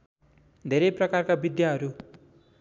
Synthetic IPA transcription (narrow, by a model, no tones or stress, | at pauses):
d̪ʱeɾʌjprʌkarkabid̪jaɦʌɾu